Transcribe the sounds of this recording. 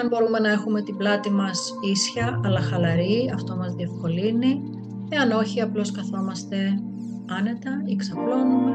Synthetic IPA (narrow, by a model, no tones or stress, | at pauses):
ɐnbo̞ɾume̞nɐe̞xume̞t̪iblɐt̪imɐs | isçɐɐlɐxɐlɐɾiɐft̪o̞mɐzðie̞fko̞lini | e̞ɐno̞çiɐplo̞skɐθo̞mɐst̪e̞ | ɐne̞t̪ɐiksɐplo̞nume